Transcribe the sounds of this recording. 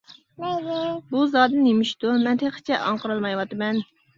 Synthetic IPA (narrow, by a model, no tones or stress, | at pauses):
buzɑːd̪ɨnemiʃt̪umɛnt̪ʰeχə̥t͡ʃʰɛʔɑɴqəɾɑlˠmɑjwɑt̪ɨmɛn